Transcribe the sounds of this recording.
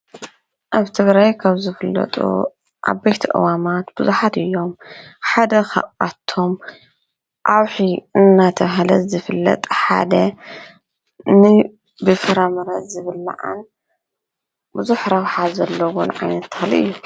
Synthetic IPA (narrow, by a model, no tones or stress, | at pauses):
ʔaβt̪ʰɨβɾajkʰaβzɨfɨlːɐ̰t̪ʼṵ | ʔa̰βbɐjt̪ʰiʔɨ̰wamat̪b̥ɨzuħat̪ɨjːo̞mħad̪ɐxɐ̰ʔʔat̪ʰːo̞m | ʔawħiɨnːat̪ʰɐβɦalɐzɨfɨlːɐ̰t̪ʼħa̰d̪ɐ | nɨ | bɨfɨɾamɐɾɐt̪zɨβɨlːa̰ʕa̰n | bɨzuħɾɐwħazɐlːɐwonʕa̰jnɐt̪ːɨxliʔɨ̰jːu